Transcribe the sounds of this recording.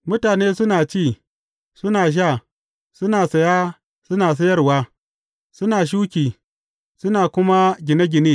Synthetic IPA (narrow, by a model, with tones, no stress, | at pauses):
mʊ˦taː˨neː˦sʊ˦naː˨t͡ʃiː˦˨ | sʊ˦naː˨ʃ̬aː˦˨ | sʊ˦naː˨sɐ˨jaː˦ | sʊ˦naː˨s̬ɐ˦jɐ˦rwaː˦ | sʊ˦naː˨ʃ̬uː˦kʲiː˨ | sʊ˦naː˨kʷʊ˦ma˦ɡʲɪ˨na˦ɡʲɪ˨neː˦